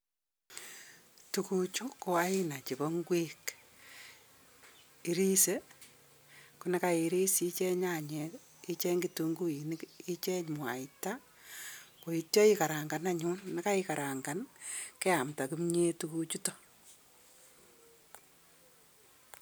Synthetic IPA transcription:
tuku˦t͡ʃu˦ko˦a˦ɪ˦na˨t͡ʃi˨bɔ˦ŋɡwi˦k | i˦ɾi˦se˦ | kunɛ˦ka˦i˨ɾi˦sit͡ʃɛ˦ɲa˨ɲɛ˨ | i˦t͡ʃɛ˦ŋɡituŋɡu˦i˨ni˦ki˦t͡ʃɛ˦ɲmwa̰˨ɪta˦ | ko˨i˨tjɔ˦i˦ka˨ɾa˨ŋɡa˨na˦ɲʊ˦nna˦ka˦ika˨ɾa˨ŋɡa˨nkɛ˦a˨mta˨ku˦mɲe˦tu˦kut͡ʃu˦to˦

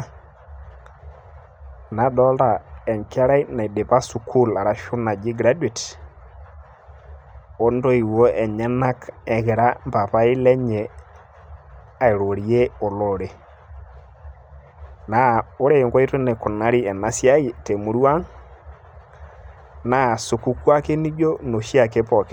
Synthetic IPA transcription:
na˨dɔ˦lda˨ɛ˨ŋka˦ɾa˦i˦na˨i˨de˨pa˦su˨kʰu˦la˨ɾa˦ʃʊ˦na˨d͡ʒi˦ɡɾa˦dwi˨t | o˦ndo˦i˨wo˦ʔɛ˨ɲɛ˦na˦kɛ˨ɣɪ˨ɾa˦mba˨pa˦ɪ˦lɛ˦ɲɛ˨ | a˨i˨ɾo˨ɾi˦e˦o˨lɔ˨ɾe˨ | na˨o˦ɾe˦˨ŋɡɔ˦i˦to˦nɛ˨kʊ˨na˦ɾi˦ɛ˨na˨sja˦i˦˨te˨mu˨ɾwa˦ŋ | na˨su˨ku˦kwa˦ke˦ni˦d͡ʒo˦no˨ʃi˦a˨ke˦pɔ˨kɪ˦

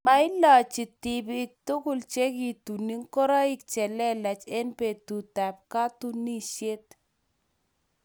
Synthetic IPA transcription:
ma˨ɪ˦lɔ˨t͡ʃɪ˨ti˨bɪ˨k̚tʊ˦kʊ˦˨lt͡ʃe˦ki˨tu˨ni˦ŋkɔ˦ɾa˦ɪ˦k̚t͡ʃɛ˨lɛ˦lɛ˨t͡ʃe˦npe˨tu˨ta˨p̚ka˦tu˦ni˦ʃe˦t̪

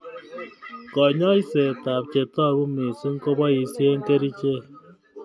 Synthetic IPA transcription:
kɔ˨ɲɔ˦i˦se˨ta˨pt͡ʃe˨tɔ˦˨ɾu˦me˨su˦ŋ̩˦ko˦bɔ˦ji˨˦˨si˦e˦ŋ̩˦ke˦ɾi˦t͡ʃe˦

